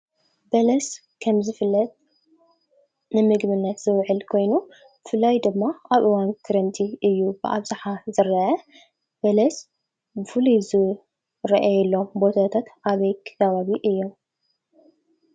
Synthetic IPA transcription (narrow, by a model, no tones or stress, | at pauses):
bɐlɐs | kʰɐmzɨfɨlːɐt̪̚ | nɨmɨɡbɨnːɐt̪z̥ɨwʕɨlkʰo̞jnu | bɨfɨlːajd̪ɨmːaʔaβʔɨwankʰɨɾɐmt̪ʰiʔɨjːubɨʔa̰βzaħazɨɾɐʔɐ | b̥ɐlɐs | bɨfɨluzɨ | ɾɐʔajɛlːo̞mbo̞t̪ʰat̪ʰat̪ʔaβɐjkʰɐβaβiʔɨjːom